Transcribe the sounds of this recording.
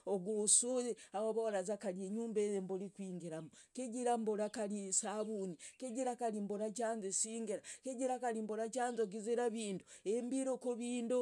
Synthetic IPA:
oɡusuɾeawoβowaɾazakalieɲuːmbejembolikwiːŋɡeɾamukeɟiɾamboɾakalisaβunikeɟiɾakalimboɾat͡ʃaːnzesiːŋɡeɾakeɟiɾakaɾimboɾat͡ʃaːnzoɡizeɾaβiːnduembiɾokoβiːndo

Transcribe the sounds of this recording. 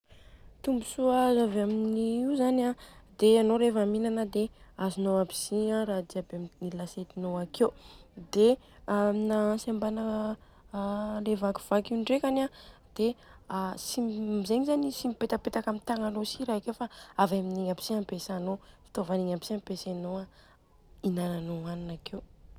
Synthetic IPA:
t̪umbusuəzavaminiizanad̪eanoɾefaminanəd̪eazinoabi̥ziaɾad̪iabeamnilaset̪inoaked̪e | ainasambanə | levaku̥v̥akiɳɖ͡ʐekanad̪̥easimzeɲizanisimipet̪apet̪akamint̪aŋalosiɾaikewfaavaminiŋabi̥siampesanofi̥t̪ovaniŋapi̥siampesanoa | inananoaninakew

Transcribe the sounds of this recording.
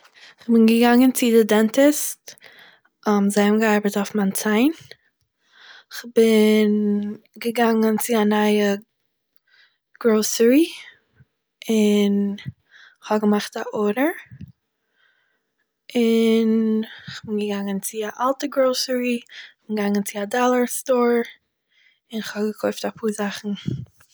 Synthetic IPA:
ɪχbɪnɡəɡaŋənt͡sɪdɪdɛntɪst | amzaɪmɡəaɪbətaʊfmant͡saɪn | ɪχbɪn | ɡəɡaŋənt͡sɪanaɪə | ɡ̥ɾoʊsəɾi | ɪn | ɪχhɔbɡəmaχtaʔoɾəɹ | ɪnɪχbɪnɡəɡaŋənt͡sɪaʔalˠtəɡɾoʊsəɹiɪχb̥ɪnɡaŋənt͡sɪadɔlˠəɹstoːɹ | ɪnɪχhɔbɡəkʰɔɪftapʰuːɹzaχn̩

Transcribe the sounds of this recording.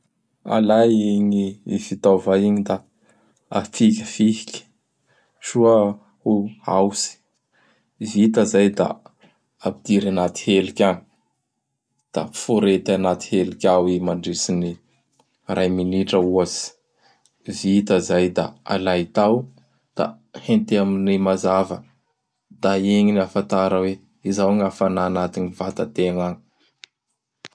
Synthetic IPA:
a̰lajiɲiifit̪avajiɲid̪a | at̪ikʲəfihikʲə̥ | ʃua | ua̰wsi̥ | vit̪azajd̪a̰ | apid̪̥iɾanat̪i̥helikʲani̥ | d̪̥a̰fuɾet̪anat̪i̥helikʲawimaɳɖ͡ʐisini | rʔajminiʈ͡ʂəuazi̥ | vit̪əzajd̪a̰a̰lajt̪aw | d̪̥a̰ | hent̪eaminimazavə | d̪̥aeŋinafant̪aɾəwe | izawaŋafanaːnat̪inivat̪at̪eŋani̥

